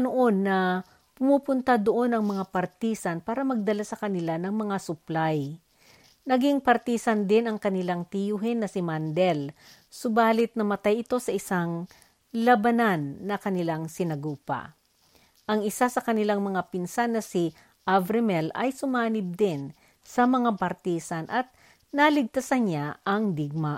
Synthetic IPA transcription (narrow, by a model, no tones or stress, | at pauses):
noʔo̞nːɐ | pʊmuːpʊnt̪ad̪oʔo̞nɐŋmɐŋapɐɾt̪iːsɐnpaːɾɐmɐɡ̚d̪ɐlasɐkɐnɪlanɐŋmɐŋasʊplaj | nɐɡiŋpɐɾt̪iːsɐnd̪ɪnɐŋkɐnɪlaŋt̪ɪjuɦɪnːɐsɪmand̪ɛl | sʊbaːlɪt̪̚nɐmɐt̪ajɪt̪o̞sɐʔɪsaŋ | lɐbɐnanːɐkɐnɪlaŋsɪnɐɡuːpɐ̰ | ʔɐŋɪsasɐkɐnɪlaŋmɐŋapɪnsanːɐsi | ʔavɾɛmɛlɐ̰jsʊmaːnɪb̚d̪ɪn | sɐmɐŋapɐɾt̪iːsanʔɐt̪̚ | nɐlɪɡ̚t̪ɐsanɲaʔɐŋd̪ɪɡ̚ma